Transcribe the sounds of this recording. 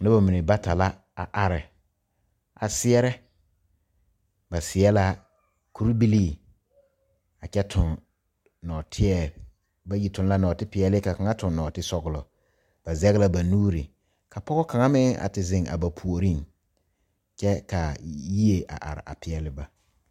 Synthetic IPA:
nɪ˦ba˨mi˨nɪ˨ba˦ta˨la˦ | a̰˨ʔa˨ɾɪ˨ | a˨sɪ˦ɛ˦ɾɛ˦ | ba˨sɪ˨ɛ˦la˦ | kʰu˦ɾbi˦li˦˨ | a˨t͡ʃɛ˦tʰʊ˨n | nɔː˨tʰɪ˦ɛ˨ | ba˦ji˨tʊ̃˨nla˦nɔ˨tɪ˦pɪ˨ɛ˨lɪ˦ka˨ka˨ŋa˦tʊ̃˨nnɔ˨tɪ˦sɔ˨ɣʊ˨lɔ˨ | b̥a˨zɛ˦ɣɪ˦la˦ba˨nuː˦ɾi˨ | ka˨pɔ˦ɣɔ˦ka˨ŋa˦mɪ˦ŋa̰˨tɪ˨zɪ˨ŋa̰˨ba˨pʰu˨o˨ɾi˦ŋ | t͡ʃɛ˦ka˨ji˦e˨ʔa̰˨ʔa̰˨ɾɪ̰˨ʔa̰˨pɪ˨ɛ˨lɪ˦ba˦

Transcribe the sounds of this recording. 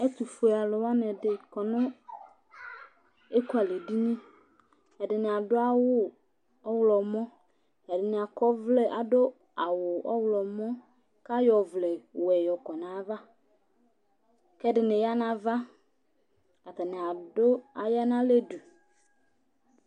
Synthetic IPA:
ɛ˦t̪u˨fʊ˨e˨a˨lʊ˨wa˦n˦ɛ˨dɪ˨kɔ˨nʊ̃˦ | e˦ku˦a˨le˨di˦ɲĩ˦ | ɛ˨dɪ˨nɪ˨a˨dʊ˦a˦wʊ˦ | ɔ˦wlɔ˨mɔ̃˦ | ɛ˨dɪ˨nɪ˨a˨kɔ˦vlɛ˦ʔa˨dʊ˦ | a˨wʊ˨ʔɔ̰˦wlɔ˨mɔ̃˦ | ka˦jɔ˨vlɛ˨wɛ˨jɔ˨kɔ˨nã˨˦va˦ | kɛ˦dɪ˨nɪ̃˨ja˦nã˦va˦ | ka˨t̪a˨nɪ˨a˨dʊ˦a˨ja˦nã˦le˦du˨

